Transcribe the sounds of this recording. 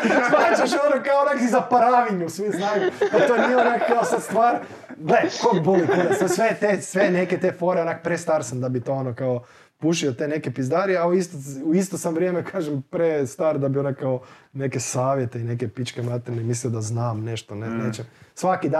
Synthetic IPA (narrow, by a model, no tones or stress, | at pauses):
ʋaːt͡ʃaʃonokaonakizapaɾaʋiɲusʋiznaːjud̪at̪onijeonakkːaosad̪st̪ʋaːɾ | ɡlekod̪̚bolit̪onasesʋet̪esʋeneket̪efo̞ɾeonakopɾest̪aːɾsamd̪abit̪o̞ːonokao | puʃiot̪ene̞kepizd̪aɾiauist̪ouist̪osamʋɾʲjeːmekʰaːʒempɾest̪aːɾd̪abionakkao | nekesaːʋje̞t̪e̞ine̞kepit͡ʃkemat̪ɛnemisliod̪aznaːmneʃt̪oneneːt͡ʃemsʋakid̪a